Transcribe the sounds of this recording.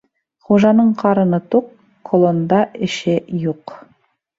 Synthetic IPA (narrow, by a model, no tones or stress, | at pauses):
χuʒɑnɤɴqʰɑɾɤ̆nɤt̪uq | kʰːolˠond̪ɑʔɘ̆ʃɘjuq